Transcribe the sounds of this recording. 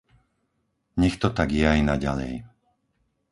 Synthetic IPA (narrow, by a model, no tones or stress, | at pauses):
ɲɛxt̪ɔt̪aɡjɛajnaɟa̰lɛ̰j